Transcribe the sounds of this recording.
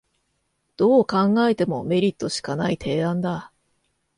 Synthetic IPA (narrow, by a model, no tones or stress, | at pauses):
d̪̥o̞ːkãŋɡae̞t̪e̞mo̞me̞ɾʲit̪ːo̞ɕi̥kanait̪ʰe̞ːãnd̪a